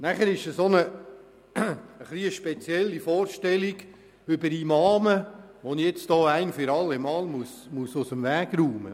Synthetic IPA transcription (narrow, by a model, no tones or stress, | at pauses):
næχəɾɪʃəsonə | χliəʃpɛt͡sjɛlːifɔːɾʃtɛliɡ | ʏbəɾimɑːmə | ʋonijɛt͡sd̥ɔːæɪnfʏɾɑlːemɑːlmusmusʊsəmʋæːɡ̥ɾuːmə̰